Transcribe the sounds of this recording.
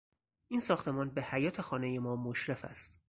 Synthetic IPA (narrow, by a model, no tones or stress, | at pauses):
ʔinsɒːxt̪ʰe̞mɒːnbe̞hæjɒːt̪ʰe̞xɒːne̞je̞mɒːmoʃɾe̞fæ̰st̪